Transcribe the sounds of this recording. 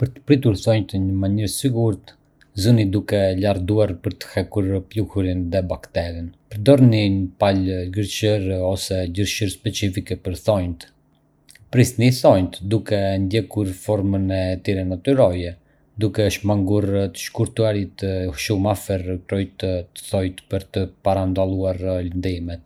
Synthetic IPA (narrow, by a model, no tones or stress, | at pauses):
pəɾt̪ə̥pɾit̪uɾθɔjnt̪əɲəmaɲiɾsiɡuɾt̪ | zunid̪ukɛlaɾd̪uaɾpəɾt̪ə̥hɛkuɾpluhuɾinðɛbakt̪ɛɾinpəɾd̪ɔɾninpalɡəɾt͡ʃəɾɔsɛɟəɾʃəɾspɛt͡sifikɛpəɾθɔjnt̪ | pɾisniθɔjnt̪d̪ukɛnd̪jɛkuɾfɔɾmənɛt̪iɾɛnat̪uɾɔjɛ | d̪ukɛʃmaŋɡuɾt̪ə̥ʃkuɾt̪uaɾit̪əʃumafɛɾkɾɔjt̪t̪ə̥θɔjt̪pəɾt̪əpaɾand̪alˠuaɾlənd̪imɛt̪̚